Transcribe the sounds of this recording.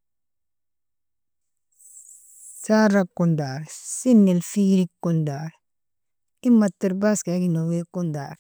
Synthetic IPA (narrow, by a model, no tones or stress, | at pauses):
saːɾakːondaːɾsinːelfiːɾikːondaːɾ | imːat̪ːiɾbaskaɡinowekːondaːɾ